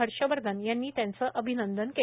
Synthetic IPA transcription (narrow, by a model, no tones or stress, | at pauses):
əɾɕəʋəɾd̪ʱənjanːiːt̪jãnt͡səʔəbʱinənd̪ənke